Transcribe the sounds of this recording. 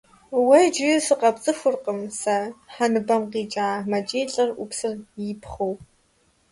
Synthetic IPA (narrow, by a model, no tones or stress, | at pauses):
wɐjd͡ʒɪsɨqɐpt͡sʼɨxʷʊrqʼəmsɐħanɨbɐmqiːt͡ʃʼaːmɐt͡ʃʼeːɬʼɐrʔʷʊpsɨrjipχɐw